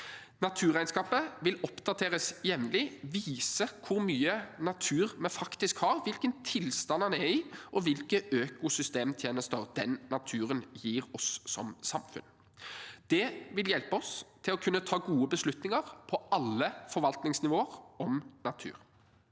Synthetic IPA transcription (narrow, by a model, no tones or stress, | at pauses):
nɑt̪ʰʉːʁæɪnskɑːpəʋɪlɔpd̪ɑt̪ʰeːʁəsjɛʋnlɪʋiːsəkʰʊɾmyːənɑt̪ʰʉːʁmɛnfɑkt̪ɪskhɑːʁʋɪlkənt̪ʰɪlst̪ɑnɑnɛɾɪʔɔʋɪlkəʔøːkʊsʏst̪eːmt̪ʰjeːnəst̪əʁd̪̥ɛnːɑt̪ʰʉːɾənjiːʁɔsːɔ̰msɑmfʉ̰n | d̪̥ɛʋɪljɛlpəɔst̪ʰɪlɔkʰʉnːət̪ʰɑːɡuːəbəslʉt̪nɪŋəʁpʰɔɑlːəfɔɾʋɑlt̪nɪŋsnɪʋoːəʁɔmnɑt̪ʰʉ̰ːɾ